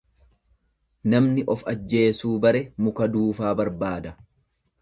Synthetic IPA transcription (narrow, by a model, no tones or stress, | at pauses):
nɐmnɪʔɔfɐd͡ʒːe̞ːsuːbɐɾɛmʊkɐd̪uːfaːbɐɾbaːd̪ɐ